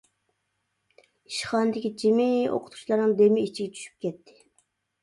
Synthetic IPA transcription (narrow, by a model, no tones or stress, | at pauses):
iʃχɑːnɨd̪ɪkʲid͡ʒimɪo̰qʰʊ̥t̪ʰu̥t͡ʃlˠɑɾnɨŋd̪emɪit͡ʃʰiɡʲɛt͡ʃʰy̥ʃy̥p̚kʲɛt̪ʰːɪ̥